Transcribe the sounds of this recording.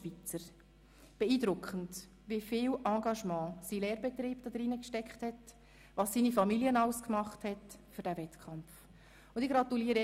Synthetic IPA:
vit͡səɾ | b̥ɛiːdɾʊkχənt | ʋifɪːlʔɑ̃ːɡɑʃmɑ̃ːsilɛːɾbɛtriːbd̥ɑd̥̪ɾɪnəkʃtɛkχthɛt | ʋɑːsːiːnifɑmiljənɑʊskmɑχthɛtfʏɾdævɛtkʰχɑmf | ʊndɪɡɾɑtuliəɾə

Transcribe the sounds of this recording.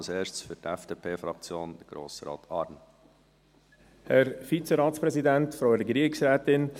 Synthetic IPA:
lseːʃsfytɛfd̥eːpʰeːfɾɑk̚t͡sjoːnd̥əɡ̥ɾo̰ːsɾɑ̰ːt̪ʰɑɾn | hɛɾfit͡sɛɾɑːtt͡spɾɛzidɛntfɾowəɾəɡɾiəksɾɛːt̪ɪn

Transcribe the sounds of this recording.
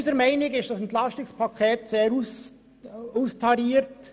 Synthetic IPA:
zəɾmɛɪnɪɡɪʃ̚d̥ɑsɛntlɑstɪkspʰɑkʰeːtseːɾus | ustʰɑɾiːɾt

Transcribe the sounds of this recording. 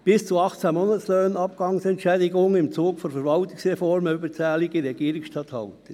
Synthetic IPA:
b̥ɪst͡suɑχt͡sæmontsløːnɑpkɑŋsɛntʃɛːdɪɡʊŋəɪmt͡suːkfɔnfəɾvɑltɪ̥sʁɛfɔɾməybət͡sæːliɡiɾɛɡiːɾɪksʃtɑthɑlt̪ə

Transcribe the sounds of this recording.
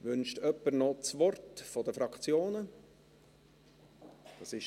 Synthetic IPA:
ʋʏnʃtœpːənɔt͡sʋɔrtfɔdəfɾɑkχt͡sjoːnə | d̥ɑːsɪʃ

